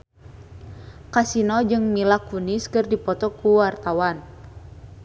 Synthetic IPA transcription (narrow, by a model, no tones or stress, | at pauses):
kasinɔd͡ʒɨŋmilakuniskɨrdipɔt̪ɔkuwart̪awan